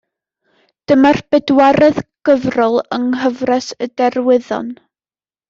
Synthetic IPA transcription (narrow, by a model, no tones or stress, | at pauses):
d̥əmarb̥ɛdwaɾɛðɡ̥əvrʊlˠəŋɦəvrɛsədɛrwɪðɔ̰n